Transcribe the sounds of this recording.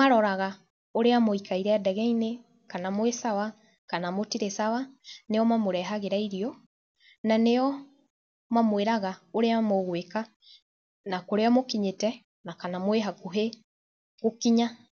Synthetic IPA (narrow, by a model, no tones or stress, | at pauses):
maɾɔɾaɣa | oɾeamoikaiɾɛadɛɣɛine | kanamoesawa | kanamotiɾesawaneɔmamoɾɛɦaɣeɾaiɾiɔ | naneɔ | mamweɾaɣaoɾeamoɣweka | nakoɾeamokiɲetɛ | nakanamoeɦakuɦe | ɣokiɲa